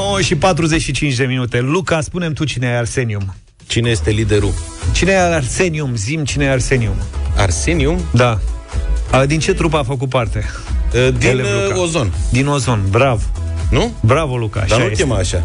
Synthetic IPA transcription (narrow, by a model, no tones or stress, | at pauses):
nowəʃipat̪ɾuze̞t͡ʃʃit͡ʃint͡ʃd̪eminut̪e̞lukaspune̞mt̪ut͡ʃineajarse̞nium | t͡ʃineje̞st̪e̞lid̪eɾut͡ʃineajaarse̞niumzimt͡ʃinejarse̞niuma̰rseniumd̪a | d̪int͡ʃe̞t̪ɾup̬aːfək̬ut̪̚part̪e̞ | d̪ileuozond̪ino̞zo̞nbɾavnubɾavo̞luka̰a̰ʃaaujet̪imaːʃa̰